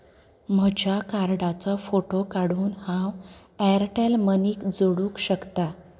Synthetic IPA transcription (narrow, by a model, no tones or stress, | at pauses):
m̤əd͡ʑjakaɾɽat͡sɔfoʈokaɽ̤uːnhãwɛɾʈelməniːkd͡zoɽuːkɕəkt̪a